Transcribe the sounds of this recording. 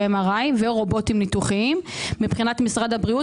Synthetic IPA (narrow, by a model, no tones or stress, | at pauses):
emaʁajveʁo̞bo̞timnituχiimːipχinatmisʁad̪abʁiu